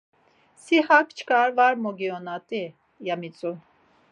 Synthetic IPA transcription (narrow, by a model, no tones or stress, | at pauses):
sihak̚ʰʼt͡ʃʰkʼaɾvaɾmɔɡiɔnat̪ʼi | jamit͡sʼu